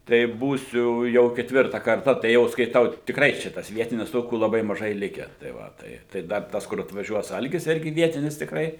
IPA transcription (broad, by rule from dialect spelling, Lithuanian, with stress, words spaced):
tɐɪ ˈbuːsʲʊ jɛʊ kʲɛtʲˈʋʲɪrtɐ kɐrˈtɐ tɐɪ ˈjɛʊ skɐɪˈtɐʊ tʲɪkˈrɐɪ ˈt͡ʃʲɛ tɐs ˈʋʲiɛtʲɪnʲɪs ˈtoːkʲuː lˠɐˈbɐɪ mɐˈʒɐɪ ˈlʲɪkʲæː tɐɪ ˈʋɐ ˈtɐɪ tɐɪ ˈdɐr ˈtɐs kʊr ɐtʋɐˈʒʲuɔs ˈɐlʲɡʲɪs ˈɪrʲɡʲɪ ˈʋʲiɛtʲɪnʲɪs tʲɪkˈrɐɪ